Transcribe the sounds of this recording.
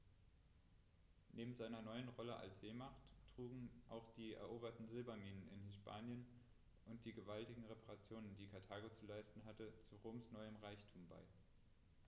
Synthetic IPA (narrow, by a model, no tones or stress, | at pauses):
nʔeːbm̩zaɪnɐnɔʏənʁɔləʔa̰lsz̥eːmaχtʁ̥uːɡŋ̩ʔaʊxd̥iːɛ̰ɐʔoːbɐtn̩zɪlbaniːnənɪ̰nhɪspʰaːnjən | ʔʊnt̚d̥iːɡəvaltɪɡŋ̩ʁepʰaʁat͡sjoːnəndiːkʰaɐtʰaːɡot͡sulaɪstn̩ɦatət͡suʁoːmsnɔʏəmʁaɪçtʰuːmba̰ɪ